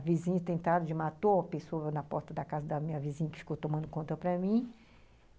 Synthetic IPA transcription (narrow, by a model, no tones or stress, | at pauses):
vizĩɲɐt̪ẽnt̪ad̪ʊd͡ʒɪmat̪oɐpesoɐnɐpɔɾt̪ɐd̪ɐkazɐd̪ɐmĩɲɐvizĩɲɐkɪ̥fi̥kowt̪õmɐ̃nd̪ʊkõnt̪ɐpɾɐmĩ